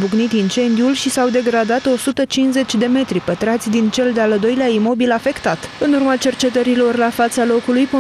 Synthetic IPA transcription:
buɡnit̪int͡ʃe̞nd̪iulʃisawd̪e̞ɡɾad̪at̪o̞sut̪ət͡ʃinze̞t͡ʃʲd̪e̞me̞t̪ɾipət̪ɾat̪sʲd̪int͡ʃe̞ld̪eald̪o̞jleaimo̞bilafe̞kt̪at̪ɨnurmat͡ʃe̞rt͡ʃe̞t̪əɾilo̞rlafat̪salo̞kulujpo

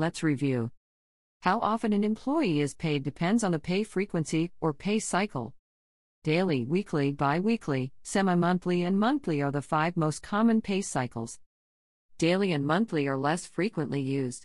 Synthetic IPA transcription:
lɨtsɹivjʉ | haʊʔɑfɨ̃nɨ̃nɨ̃mpʰl̥ɔɪiɪz̥pʰeɪdɨpʰɛ̃ndzn̩ðəpʰeɪfɹikwɨ̃nsiʔə˞pʰeɪsaɪkʰl̩ˠ | d̥eɪlˠiwikʰlibaɪwikʰlisɛməmʌ̃nθliɨ̃nmʌ̃nθliə˞ðəfaɪvmoʊskʰɑmɨ̃npʰeɪsaɪkl̩ˠz̥ | d̥eɪlˠiɨ̃nmʌ̃nθliə˞lɛsfɹikwə̃nʔlijʉzd̥

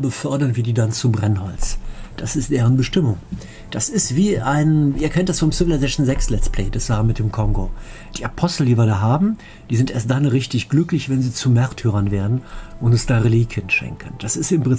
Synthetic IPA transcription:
bəfœɐdɐnviːdiːdant͡subʁɛnhɔ̰lt͡sd̥asɪstd̥eːʁ̞ənbəʃtɪmʊŋ | d̥asɪstv̥iːʔaɪniːɐkʰɛntd̥asfɔmsɪvɪlazɛʃnzɛkslɛspʰlḛːdasaːm̩mɪt̚d̥eːmkʰɔŋɡod̥iːʔapʰɔstl̩diːviːɐdaːɦaːbm̩ | d̥iːzɪntʔeːɐstd̥anʁɪçtɪçɡ̥lʏklɪçv̥ɛnziːt͡sumɛʁtʰyːʁɐnveːɐdn̩ʔʊntʊnsd̥aːʁeliːkʰənʃɛ̰ŋkʰən̩d̥asɪstɪmʁɛ

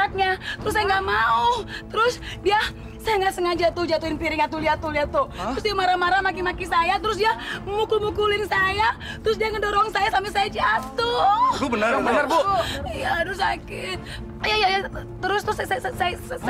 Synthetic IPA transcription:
at̪̚ɲat̪əɾʊsːajaŋɡaʔmauht̪əɾʊsdia | sajaŋasəŋad͡ʒat̪ʊd͡ʒat̪uɪnpiɾɪŋat̪uliat̪uliat̪oht̪əɾʊs̬diamaɾamaɾamakimakisajat̪əɾʊs̬dijamukʊlmukulɪnsaja | t̪əɾʊs̬diaŋədoɾɔŋsajasampisajad͡ʒat̪ʊubənəabənərboijad̪ɾsakɪt̪̚ | ijajajat̪əɾʊst̪əɾʊssssa

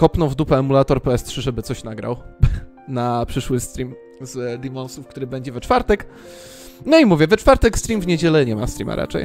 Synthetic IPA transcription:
kɔpnɔ̃vd̪upɛːmulat̪ɔɾpɛɛstʂɘʐɛbɘt̪sɔɕnaɡɾa̰w | napʂɘʂwɘst̪ɾʲim | zd̪imɔnsufkt̪uɾɘbɛɲd͡ʑɛvɛt͡ʂfaɾt̪ɛk | nɔimuvʲjɛvɛt͡ʂfaɾt̪ɛkst̪ɾimvɲed͡ʑɛlɛɲɛma̰st̪ɾḭma̰ɾʔa̰t͡ʂɛ̰j

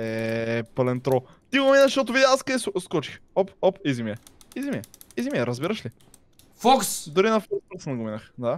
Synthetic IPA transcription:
ɛpɐlɛnt̪ɾɔ | t̪iɡominəʃʃɔt̪̬ʊvid̪ʲaaskɐisskɔt͡ʃi̥xɔpɔpizimiɛ | izimiɛ | izimiɛɾɐzbiɾəʃli | fɔksd̪ʊɾinɐfɔkspəksnɐɡominəxd̪a

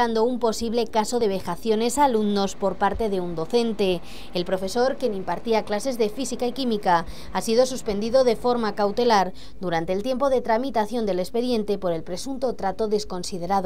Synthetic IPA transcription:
and̪o̞umpo̞siβle̞kaso̞ðe̞βe̞xaθjo̞ne̞salumno̞spo̞ɾpaɾt̪e̞ðe̞und̪o̞θe̞nt̪e̞ː | lpɾo̞fe̞so̞ɾkjenĩmpaɾt̪iaklase̞zðe̞fisikaikimika | asiðo̞suspe̞nd̪iðo̞ðe̞fo̞ɾmakawt̪e̞laɾ | d̪uɾant̪e̞ːlt̪je̞mpo̞ð̞e̞t̪ɾamit̪aθjo̞nd̪e̞le̞spe̞ðje̞nt̪e̞po̞ɾe̞lpɾe̞sunt̪o̞t̪ɾat̪o̞ðe̞sko̞nsið̞e̞ɾað

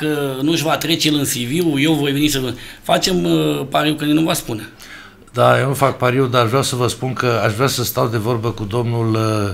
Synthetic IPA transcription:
kənuʒvat̪ɾe̞t͡ʃejelɨnsiviwje̞wvo̞jve̞nisəvɨfat͡ʃe̞mpaɾiwkənenuvaspune | d̪ajewnufak̚paɾiwd̪aaʒvɾʲawsəvəspunkəaʃvɾʲasəst̪awd̪e̞vo̞rbəkud̪o̞mnul

